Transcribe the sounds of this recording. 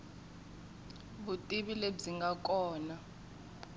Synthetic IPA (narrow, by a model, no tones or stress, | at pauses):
ɓutʼiɓileziŋɡʱakʼɔːna